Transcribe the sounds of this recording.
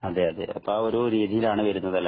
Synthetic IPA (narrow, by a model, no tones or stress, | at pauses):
ɐd̪eɐðḛɐ̰pːaoɾuɾiːðʱijilaːɳɨʋɐɾunːɐðɐlːɐ